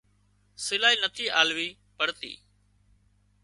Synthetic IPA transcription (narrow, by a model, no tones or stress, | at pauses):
sɪlaːiːnət̪ʰiːʔaːlʋiː | pəɽt̪ḭː